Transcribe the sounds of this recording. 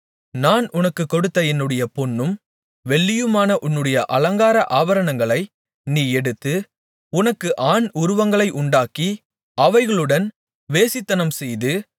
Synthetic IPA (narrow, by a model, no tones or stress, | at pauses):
naːnʊnɐkːɯkːɔɽɯt̪ːɐɛnːɯɽɐjɐpɔnːɯm | ʋɛɭːɪjɯmaːnɐʔʊnːɯɽɐjɐʔɐlɐŋɡaːɾɐʔaːʋɐɾɐnɐŋɡɐɭɐɪ | niːɛɽɯt̪ːɯ | ʊnɐkːɯʔaːɳʊɾʊʋɐŋɡɐɭɐɪʔʊɳɖaːki | ɐʋɐɪɣɐɭɯɽɐn | ʋeːsɪt̪ːɐnɐmsɛjðɯ